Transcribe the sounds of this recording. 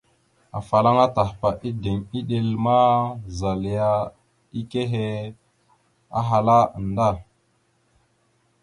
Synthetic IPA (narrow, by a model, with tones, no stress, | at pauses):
a˨fa˨la˦ŋa˦ta˨hpa˨ʔi˦de˨ŋi˦ɗe˨lma˦za˨lja˦ | i˦ke˦ɦe˦ | a̰˦ɦa˨la˦ə˨nda˦˨